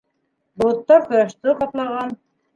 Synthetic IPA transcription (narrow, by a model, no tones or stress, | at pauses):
bŏlˠŏt̪ːɑɾkŏjɑʃt̪ɤχɑt̪lˠɑʁɑn